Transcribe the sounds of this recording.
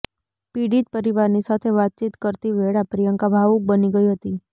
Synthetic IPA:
piːɖiːd͡ʒ̪pəɾiʋaːɾnisat̪ʰeʋaːt̪̚t͡ʃiːt̪kəɾt̪iʋeːɽapɾijə̃ŋkabʱaːʋuk̚bəniɡəiɦot̪iː

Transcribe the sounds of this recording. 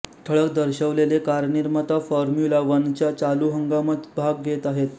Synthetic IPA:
t̪ʰəɭəkd̪əɾɕəʋlelekaɾniɾmat̪afɔɾmjulaʋant͡ɕjat͡saluːɦəŋɡamət̪bʱaɡːʱet̪aɦet̪

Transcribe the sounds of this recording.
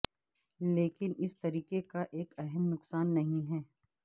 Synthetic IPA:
leːkɪnɪst̪ɐɾiːkekaʔeːkɛɦɛmnʊqsaːnːɐɦĩɦɛː

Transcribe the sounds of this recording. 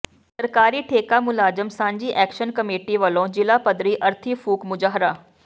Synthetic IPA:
səɾkaːɾiːʈʰeːkaːmʊlaːzəmsãːɲd͡ʒiːʔɛːkʃənkəmeːʈiːʋəlõːd͡ʒɪlaːpəd̪ɾiːʔəɾt̪ʰiːpʰuːkmʊd͡ʒaːɦɾaː

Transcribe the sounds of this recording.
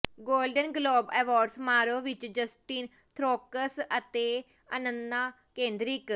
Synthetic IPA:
ɡoːlɖənɡloːbɛːʋaːɖsmaːɾoːʋɪt͡ʃd͡ʒəsʈiːn | t̪ʰɾoːkəsət̪eː | ənənd̪aː | kẽːnd̪ɾɪk

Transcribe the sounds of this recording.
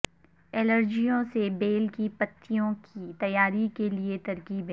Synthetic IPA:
ɛːləɾd͡ʒijõsebeːlkipɐt̪ʰːijõkit̪ɐjaːɾikeliet̪ɐɾkiːb

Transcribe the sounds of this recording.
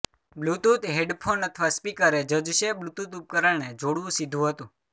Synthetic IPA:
blut̪ut̪ɦeɖpʰonət̪ʰʋaspikəɾed͡ʒəd͡ʒʃeblut̪ut̪up̚kəɾəɭned͡ʒoɽʋũsid̪ʱũɦət̪ũ

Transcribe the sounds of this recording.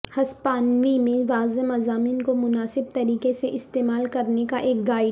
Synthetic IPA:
hɐspaːnʋimẽʋaːzəmɐzaːmɪnkomʊnaːsɪb̚t̪ɐɾiːkeseʔɪst̪eːmaːlkɐɾnekaʔeːk̚ɡaːɪ

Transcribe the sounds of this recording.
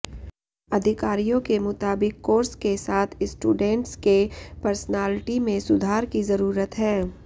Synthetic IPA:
ɐd̪ʱɪkaːɾijõkemʊt̪aːbɪkːoːɾskesaːt̪ʰɪsʈuːɖɛ̃ːɳʈskepɐɾsənaːlɪʈimẽsʊd̪ʱaːɾkizɐɾuːɾət̪ɦɛ̃ː

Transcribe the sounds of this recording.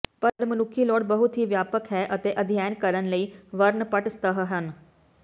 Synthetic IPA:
pəɾmənʊkʰːiːlɔːɽbəɦʊt̪ɦiːʋjaːpəkɦɛːʔət̪eːʔəd̪ʱjaːnkəɾənləiːʋəɾnpəʈst̪əɦɦən

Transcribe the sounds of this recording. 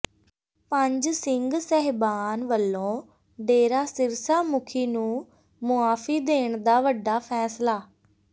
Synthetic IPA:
pəɲd͡ʒsɪŋɡsɛɦbaːnʋəlːõː | ɖeːɾaːsɪɾsaːmʊkʰiːnũː | mʊaːfʰiːd̪eːɳd̪aːʋəɖːaːpʰɛːslaː

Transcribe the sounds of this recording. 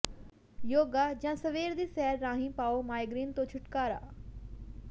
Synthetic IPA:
joːɡaːd͡ʒãːsəʋeːɾd̪iːsɛːɾːãːɦĩːpaːoːmaːjɡɾiːnt̪õːt͡ʃʰʊʈkaːɾa̰ː

